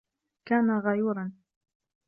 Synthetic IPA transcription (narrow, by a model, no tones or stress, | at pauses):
kaːnaɣɑjuːɾɑn